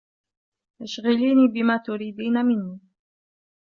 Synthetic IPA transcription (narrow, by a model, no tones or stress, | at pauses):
jaʃɣɪliːniːbɪmaːt̪ʊɾiːd̪iːnamɪnːiː